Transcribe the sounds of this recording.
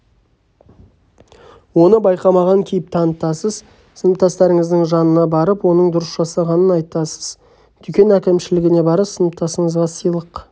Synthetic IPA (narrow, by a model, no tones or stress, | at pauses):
wo̞nəbɑjqɑmɑʁɑŋkʲʰejɪp̚t̪ʰɑnət̪ɑsəz | sənəp̚t̪ʰɑst̪ɑɾɪŋɪzd̪ɪŋʒɑnənɑbɑɾəpwo̞nəɴd̪ʊɾəsʒɑsɑʁɑnənɑjt̪ɑsə̥z̥ | d̪̥ʏkʲe̞nækʲɪmʃɪlɪɡʲɪne̞bɑɾəsənəp̚t̪ʰɑsəɴəzʁɑsəijlˠəq